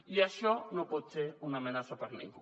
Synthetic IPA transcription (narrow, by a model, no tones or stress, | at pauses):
iaʃonopot͡ʃeunamenasapaɾanḭŋɡo